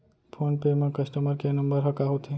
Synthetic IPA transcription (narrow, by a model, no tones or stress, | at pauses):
pʰonpemãkəsʈəməɾkenəmbəɾɦəkaɦot̪ʰe